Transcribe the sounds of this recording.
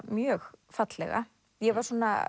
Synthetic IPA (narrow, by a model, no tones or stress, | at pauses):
mjœːɣfat̪lɛ̰ɣa̰ | jɛvaɾ̥sɔːna̰